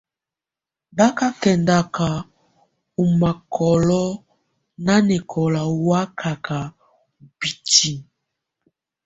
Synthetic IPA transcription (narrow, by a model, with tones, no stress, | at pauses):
da˦ka˦kɛ˨nda˨ka˨ | u˨ma˨kʰɔ˨lɔ˦ | na˦nɛ˨kʰɔ˨la˨wa˦kʰa˨ka˨ | bi˨ti˦